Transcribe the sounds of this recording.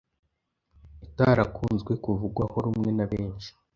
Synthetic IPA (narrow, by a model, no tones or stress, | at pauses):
itaɾakʰuːnzɡwe̞kuvuɡwaho̞ɾumŋe̞naβe̞ːnʃi̥